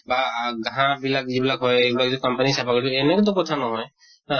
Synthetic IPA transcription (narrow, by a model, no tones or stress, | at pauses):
baɡaɦãbilak̚zibilakɦɔjebilak̚zɔkampanisapakɔʈɔɛnɛkt̪̬ɔ̃kɔt̪ʰanɔɦɔj | a